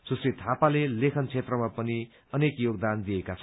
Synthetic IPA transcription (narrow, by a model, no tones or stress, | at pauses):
d͡zʌsɾit̪ʰapalelekʰʌnt͡sʰet̪rʌmapʌni | ʌnekjoɡ̚d̪and̪ijekat͡sʰʌ